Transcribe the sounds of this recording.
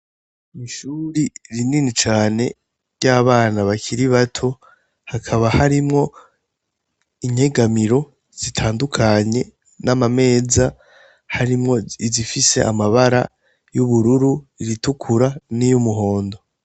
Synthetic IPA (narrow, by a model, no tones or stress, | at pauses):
niʃuɾiɾininit͡ʃaːne̞ | jaβaːnaβakʰiɾiβatʰo̞ | hakʰaβahaɾimŋo̞ | iɲhe̞ɡamiɾo̞ | z̥itʰaːndukʰaɲe̞ | namame̞ːza | haɾimŋo̞izifise̞̰ʔa̰maβaɾa | juβuɾuɾuiɾitukʰuɾanijumuɦo̞ːndo̞